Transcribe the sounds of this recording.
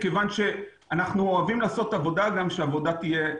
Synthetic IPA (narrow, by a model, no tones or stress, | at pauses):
kevanʃe̞ | anaχnuoavimlaːso̞t̪avo̞daɡamʃeavo̞dat̪ije